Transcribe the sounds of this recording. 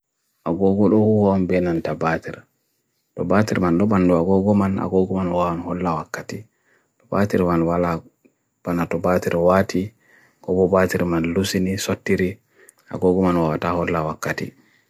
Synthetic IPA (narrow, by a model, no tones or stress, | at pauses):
ʔaɡɔɡɔɗɔhuhɔɔnbɛnantabatiɾ | tɔbatiɾmandɔɓanduaɡɔɡɔmana̰ɡɔɡɔmanwaanhɔlːawakːati | tɔbatiɾmanwala | b̥anatɔbatiɾwatʰi | kɔɡɔbatiɾmanlusinisotːiɾi | a̰ɡɔɡɔmanwawatahɔlːawakːatḭ